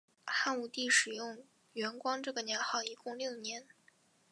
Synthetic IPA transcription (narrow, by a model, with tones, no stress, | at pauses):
xa˥˧nu˥˩t̪i˥˩ʂɻ̩˨˩jʊ˥˩ŋ | ɥɛ˧˥nkwɑ˥ŋʈ͡ʂɤ˥˩ɡə˩njɛ˧˥nxɑ˥˩ʊi˧˥kʊ˥˧ŋljo˥˩ʊnjɛ˧˥n